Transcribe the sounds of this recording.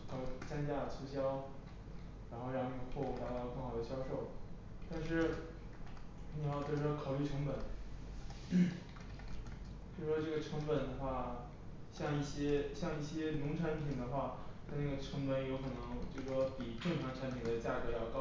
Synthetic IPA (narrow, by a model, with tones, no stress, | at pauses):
t͡sʰa˥nt͡ɕja˥˩t͡sʰu˥ɕjɑ˥ʊ | ɻa˧˥nxo˥˧ʊɻɑ˥˧ŋni˧˩ɡxwɔ˥˧u˥˩t̪a˧˥t̪ɑ˥˧ʊkɤ˥˩ŋxɑ˨˩d̪ə˦ɕjɑ˥ʊʂo˥˩ʊ | t̪a˥˧nʂɻ̩˥˧˩ | ni˨˩jɑ˥˧ʊt͡ɕjo˥˩˧ʂ̩˧˥wkʰɑ˨˩ʊy˥˩ʈ͡ʂʰɤ˧˥ŋpə˨˩˦n˥ | t͡ɕjo˥˩ʂʂwɔ˥ʈ͡ʂɤ˥˩ɡə˩ʈ͡ʂʰɤ˧˥ŋpə˨˩nd̪ə˦xwa˥˩ | ɕjɑ˥˧ŋi˥˩ɕjɛ˥ɕjɑ˥˧ŋi˥˩ɕjɛ˥nʊ˧˥ŋʈ͡ʂʰa˧˥n˥pʰi˨˩ŋd̪ə˦xwa˥˩t͡sa˥˧na˥˩ɡə˩ʈ͡ʂʰɤ˧˥ŋpə˧˥njo˧˥kʰɤ˨˩nɤ˧˥ŋt͡ɕjo˥˧ʂ̩˩ʂwɔ˥pi˨˩ʈ͡ʂɤ˥˩ŋʈ͡ʂʰɑ˧˥ŋʈ͡ʂʰa˧˥np̪ʰi˨˩ŋd̪ə˧˦t͡ɕja˥˩kɤ˧˥jɑ˥˩ʊkɑ˥